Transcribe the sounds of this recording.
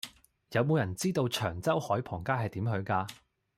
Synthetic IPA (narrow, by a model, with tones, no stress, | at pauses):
jɐ˨˧wmo˨˧wjɐ˨˩nt͡siː˥t̪o˧wt͡ʃʰœː˨˩ŋt͡sɐ˥whɔː˨˥jpʰɔː˨˩ŋkaː˥ɦɐ˨jt̪iː˨˥mɦɵ˨˧ɥkaː˧